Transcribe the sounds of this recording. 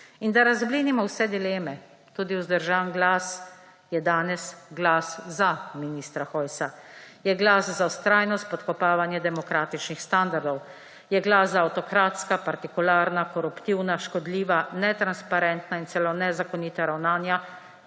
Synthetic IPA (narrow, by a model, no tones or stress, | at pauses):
ind̪aɾazbliːnimɔwsɛd̪ileːmɛ | t̪uːd̪iwzd̪əɾʒaːnɡlaːs | jɛd̪aːnɛsɡlaːszaminiːst̪ɾaxɔjsajɛɡlaːszawst̪ɾaːjnɔst̪̚pɔt̪kɔpaːʋanjɛd̪ɛmɔkɾaːt̪it͡ʃnixst̪and̪aɾd̪ɔw | jɛɡlaszaːwt̪ɔkɾaːt̪skapaɾt̪ikulaːɾnakɔɾupt̪iwnaʃkɔd̪liːʋanɛt̪ɾanspaɾɛnt̪naint̪sɛlonɛzakɔniːt̪aɾawnaːnja